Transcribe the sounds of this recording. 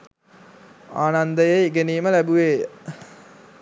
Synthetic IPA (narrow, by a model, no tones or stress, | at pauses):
aːnand̪əjeiɡeniːməlæbuʋeː